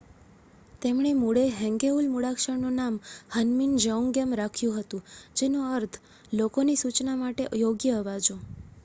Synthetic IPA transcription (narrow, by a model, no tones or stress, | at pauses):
t̪emɳ̃emuɽeɦɛ̃ŋɡeɦulmuɽakʃəɽnunamhənmind͡ʒəuŋɡjəmɾakʰjũɦət̪ũd͡ʒenoəɾt̪ʰ | lokonisut͡ʃnamaʈeʔəjoɡjəːʋad͡ʒõ